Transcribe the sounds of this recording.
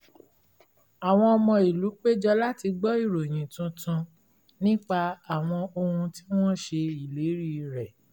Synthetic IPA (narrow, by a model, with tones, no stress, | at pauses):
a˨w̃ɔ̃˧ɔ˧mɔ̃˧i˨lu˨˦k͡pe˦d͡ʒɔ˧la˦ti˧ɡ͡bɔ˦i˦˨ɾo˨j̃ĩ˨tũ˧tʰũ˧ | nĩ˦k͡pa˧a˨w̃ɔ̃˧o˧hũ˧ti˦w̃ɔ̃˦ʃe˧i˨le˨˦ɾi˦˨ɾɛ˨